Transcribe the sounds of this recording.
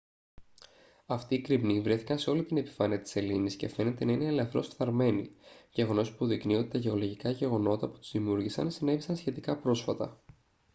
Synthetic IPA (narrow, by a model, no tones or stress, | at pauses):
ɐft̪iːkɾipnivɾe̞θi̥kɐnse̞o̞lit̪ine̞pi̥fɐniɐt̪i̥se̞linisce̞fe̞ne̞t̪e̞nɐinelɐθɾo̞sfθɐɾme̞nḭʝe̞ɣo̞no̞spuðiknio̞t̪i̥t̪ɐʝe̞olo̞ʝikɐʝe̞ɣo̞no̞t̪ɐpu̥t̪u̥zðimuɾʝisɐ̰nsine̞visɐnsçe̞t̪ikɐpɾo̞sfɐt̪ɐ̰